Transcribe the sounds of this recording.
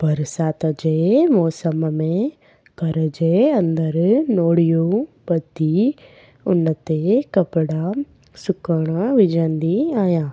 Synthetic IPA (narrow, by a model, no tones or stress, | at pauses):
bʱɐɾsaːt̪əd͡ʒemɔːsəmmẽ | kɐɾəd͡ʒeɐ̃nd̪əɾnoːɽijũbɐd̪ʱi | ʊnət̪ekɐpɽa | sʊkəɽ̃aʋɪd͡ʒə̃nd̪iaːjãː